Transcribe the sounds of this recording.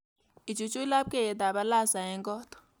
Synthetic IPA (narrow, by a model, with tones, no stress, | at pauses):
i˨t͡ʃu˨t͡ʃʼu˦i˦la˦p̚kʼɛ˦jɛ˨t̪a˨ɓa˦la˦˨za˨ɦɛ˨˦ŋkʼɔː˦tɔ̥